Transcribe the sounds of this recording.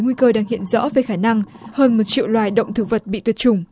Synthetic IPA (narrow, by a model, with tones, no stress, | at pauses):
jŋwi˧kəː˧ɗaː˧ŋhḭ˧˨ənzɔ̰˧˥ve˨˩xaː˧˩na˧ŋ | həː˧nmo˨˩t̚t͡ɕḭ˧˨əwlwaː˨˩jɗə̰˧˨wŋ͡mt̪ʰɨ˧˩və˨˩t̚ɓḭ˧˨t̪wi˨˩ət̚t͡ɕʊ˨˩ŋ͡m